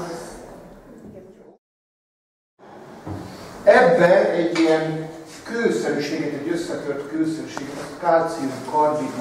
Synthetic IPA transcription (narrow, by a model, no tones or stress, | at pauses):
ɛbːɛɛɟːijɛnkøːsønʃeːɡɛt̪ɛɟøsːɛk̪ørt̪køːsønʃeːɡɛt̪ɒskaːt̪siumkɒrd̪in